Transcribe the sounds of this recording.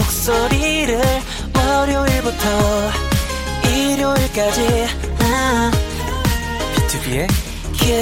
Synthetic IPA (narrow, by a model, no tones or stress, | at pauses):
ok̚s͈oɾiɾɯɭ | ʌɾjʌiɭbutʰʌ | iɾjoiɭk͈ad͡ʑi | a | pʰitʰubie | kʰe